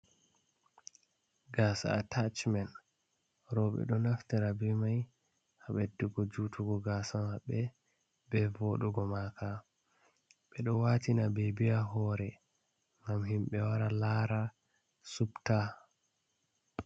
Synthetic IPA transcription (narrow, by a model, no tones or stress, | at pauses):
ɡaːsa̰ːtat͡ʃmɛn | ɾɔɓɛ̰ɗɔnaftɛɾabɛmaj | haɓɛduɡɔd͡ʒutʰuɡɔɡaːsamaɓɛ | bɛvoɗuɡɔmaka | ɓɛɗɔwaːtinabɛbiaɦɔːɾɛ | ŋɡamhimɓɛwaɾalaːɾa | supta